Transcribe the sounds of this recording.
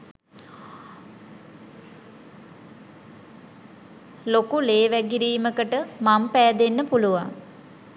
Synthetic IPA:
lokuleːʋæɡiɾiːməkəʈəmampæːd̪enːəpuluʋa̰ŋ

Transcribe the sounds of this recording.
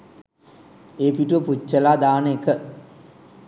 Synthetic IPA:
epiʈuʋəput͡ʃːəlaːd̪aːnəekə

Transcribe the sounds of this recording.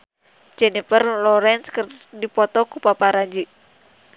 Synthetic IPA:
d͡ʒɛnipərlɔɾɛnskərdipɔt̪ɔkupapaɾad͡ʒi

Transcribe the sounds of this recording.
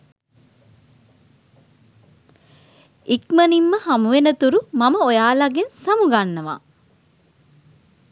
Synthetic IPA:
ikmənimːəhamuʋenət̪uɾumaməojaːlaɡensamuɡanːəʋa̰

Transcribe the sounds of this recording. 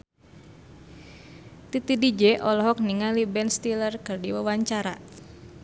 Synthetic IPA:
t̪it̪idid͡ʒɛʔɔlɔɦɔk̚niŋalibɛnst̪ilərkɨrdiwawaɲt͡ʃaɾa̰

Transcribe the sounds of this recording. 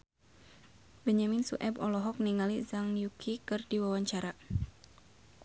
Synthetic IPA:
bəɲaminsṵʔɛbɔlɔɦɔk̚niŋalizaŋjukʰikɨrdiwawaɲt͡ʃaɾa

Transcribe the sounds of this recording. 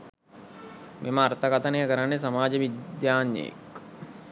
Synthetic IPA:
mʔeməart̪əkat̪ənejəkəɾanːes̬ɐmaːd͡ʒəʋid̪jaːnjḛjḛk

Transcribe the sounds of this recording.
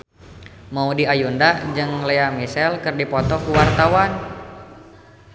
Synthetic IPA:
maudiajundad͡ʒɨŋleamisɛlkɨrdipɔt̪ɔkuwart̪awan

